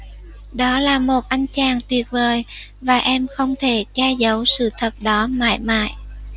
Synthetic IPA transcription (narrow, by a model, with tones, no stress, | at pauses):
ɗɔ˨˦laː˨˩mo˨˩t̚ʔa˧jŋ̟t͡ɕaː˨˩ŋt̪wi˨˩ət̚vəː˨˩j | vaː˨˩ʔɛ˧mxə˧wŋ͡mt̪ʰe˧˩t͡ɕaː˧zə˨˦wsɨ̰˧˨t̪ʰə˨˩t̚ɗɔ˨˦ma̰ː˧˨jma̰ː˧˨j